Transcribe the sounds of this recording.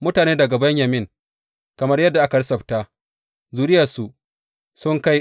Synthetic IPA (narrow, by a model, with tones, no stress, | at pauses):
mʊ˦taː˨neː˦dɐ˨ɡa˨bɐ˦ɲjɐ˨mɪ˦˨ŋ | kɐ˨mɐ˦rjɐ˦dːa˨ʔa˦kɐ˨ɽsɐ˨ɸta˦ | zuː˨ɾɪ˦ja˨su˨ | sʊ˦ŋka˦j